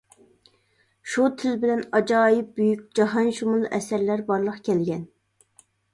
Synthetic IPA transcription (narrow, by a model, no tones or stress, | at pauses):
ʃut̪ʰɪlbɪlɛnɑd͡ʒɑːjip̚byjykʲd͡ʒɑɦɑnʃumulˠɛsæɾlæɾbɑɾlˠəqkʲʰɛlɡʲɛn